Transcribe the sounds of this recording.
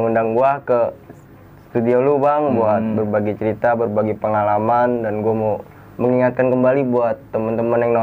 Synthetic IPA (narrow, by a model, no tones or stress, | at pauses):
ŋundaŋɡuakə | ssət̪udiolubaməmbuɦat̪̚bərbaɡit͡ʃəɾit̪abərbaɡipəŋalamandanɡuamo | məŋiŋat̪̚kankəmbalibuat̪ːəmənt̪əmənjaŋna